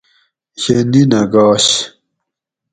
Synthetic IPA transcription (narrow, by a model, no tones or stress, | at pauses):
ɕeninɐɡɑːɕ